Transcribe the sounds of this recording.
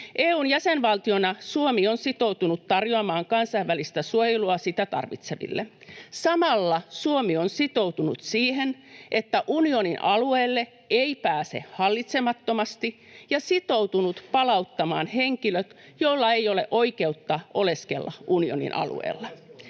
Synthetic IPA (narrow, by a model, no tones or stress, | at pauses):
ʔeːuːnjæsenʋɑlt̪io̞nɑsuomionsit̪o̞ut̪unut̪tɑrjoɑmɑːŋkɑnsɑiʋːælist̪æsuojeluɑsit̪æt̪ɑ̰rʋḭt̪seʋḭlːḛsɑmɑlːɑsuomionsit̪o̞wt̪unṵt̪siːhenʔet̪ːæʔunio̞ninʔɑlueːlːe | eipæːse̞̰hɑlːit̪semɑt̪ːomɑst̪i | jɑsit̪owt̪unut̪pɑlɑut̪ːɑmɑ̰ːnheŋkiløt̪ | jolːɑejo̞leʔo̞ike̞ut̪ːɑʔo̞le̞skḛlːɑ̰ʔunio̰nḭnʔɑ̰lṵḛːlːɑ